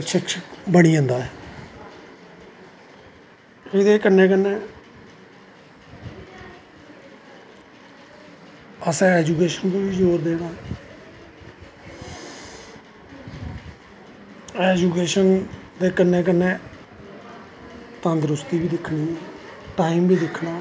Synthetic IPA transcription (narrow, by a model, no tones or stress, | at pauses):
ʃɪkʃəkbəɽ̃iːə̃ːnd̪aːɦɛː | ed̪eːkənːẽːk̬ənːẽː | əsɛ̃ːɛːd͡ʒuːkeːʃənt̪õːʋiːd͡ʒoːɾd̪eːɽaːɛ | ɛːd͡ʒuːkeːʃənd̪eːkənːẽːk̬ənːẽː | t̪ə̃ːnd̪ɾʊst̪iːbiːd̪ɪkʰːɳiːʈaːiːmbʱiːd̪ɪkʰːnaː